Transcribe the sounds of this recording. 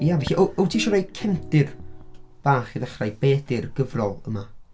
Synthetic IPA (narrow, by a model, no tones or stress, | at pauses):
javɛɬiʔoowtʰiʃɔɾajkʰɛmtɪrb̥aːχiðaχrajbeːdɪrɡ̥əvrɔlˠəma